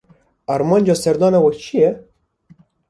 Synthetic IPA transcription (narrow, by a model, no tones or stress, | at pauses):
ɑɾmɑːnʲd͡ʒɑsɛɾd̪ɑːnawɐkt͡ʃʰijɛ